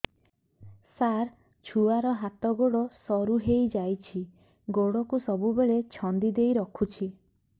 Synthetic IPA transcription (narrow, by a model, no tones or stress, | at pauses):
saɾ | t͡ʃʰuaɾɔɦat̪ɔɡoɽɔsɔɾuɦejd͡ʒajt͡ʃʰi | ɡoɽɔkusɔbubeɭet͡ʃʰɔnd̪id̪ejɾɔkʰut͡ʃʰi